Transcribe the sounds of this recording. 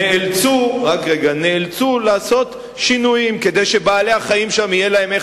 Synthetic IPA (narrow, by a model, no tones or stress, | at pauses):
eelt͡suʁakʁeɡaneːlt͡sulaːso̞t̪ | ʃinujimke̞d̪e̞jʃe̞baːle̞haχaimʃamije̞lae̞me